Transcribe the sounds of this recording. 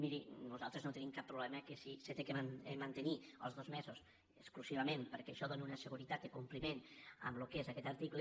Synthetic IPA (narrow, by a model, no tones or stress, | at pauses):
miɾinuzalˠt̪ɾeznot̪ənimkapːɾuβlɛməkesiset̪ekeanemant̪əniə̰lˠzðozmɛzus | əsklusiβ̞amẽnpəɾkɛeʃɔðoniunəsəɣ̞uɾit̪at̪̚d̪əkumplimenə̰mlukezakɛt̪aɾt̪ikle